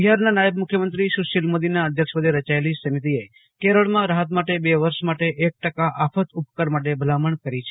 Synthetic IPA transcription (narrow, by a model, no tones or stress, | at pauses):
biɦaɾnanajəbmʊkʰjəmənt̪ɾiʃuʃilmod̪inaəd̪ʱjəkʃʋəd̪ʱeɾət͡ʃaelisəmit̪̬ie | keɾəɭmãɾaɦət̪maʈebeʋəɾʃmaʈeʔek̚ʈəkaʔafʰət̪upkəɾmaʈ̬ebʱəlaməɳkəɾit͡ʃʰe